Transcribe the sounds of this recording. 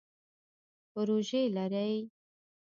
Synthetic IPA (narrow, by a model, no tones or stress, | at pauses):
pəɾoʒelaɾaj